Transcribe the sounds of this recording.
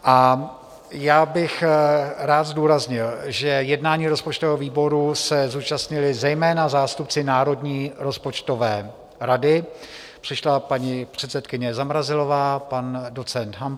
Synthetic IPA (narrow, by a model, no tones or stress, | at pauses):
ʔa | jaːbɪxɾaːt̪zduːɾazɲɪlʒɛjɛdnaːɲiːɾo̞spot͡ʃt̪ovɛɦoviːbo̞ɾusɛzuːt͡ʃast̪ɲɪlɪzɛjmɛːnazaːst̪up̚t͡sɪnaːɾo̞dɲiːɾo̞spo̞t͡ʃt̪o̞vɛː | ɾadɪ | pr̝̥ɪʃlapaɲipr̝̥ɛt̪sɛt̪kɪɲɛzamɾazɪlo̞vaːpando̞t͡sɛnt̪ɦam